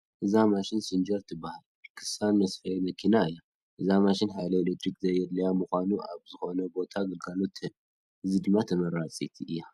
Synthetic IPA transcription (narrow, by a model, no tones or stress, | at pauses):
ʔɨzamaʃɪnsɨnd͡ʒɐɾt̪ʰɨbːahal | kʰɨ̥sanmɐsfɐjemɐkʰinaɨjːa | ʔɨzamaʃɪnħajlɐelek̚t̪ɾikzɐjːɛd̪lɐjamuxʷanuʔa̰βzɨxo̞nɐbo̞t̪ʰaɡɨlɡalo̞t̪ɨn | ʔɨzid̪ɨmːat̪ʰɐmɐɾat͡sʼit̪ʰiʔɨjːa